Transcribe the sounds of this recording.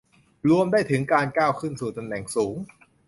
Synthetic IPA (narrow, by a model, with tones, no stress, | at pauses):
ɾu˧əmdaː˥˩jt̪ʰɯ˩˦ŋkaː˧nkaː˥˩wkʰɯ˥˩nsuː˨˩t̪a˧mnɛ˨˩ŋsuː˩˦ŋ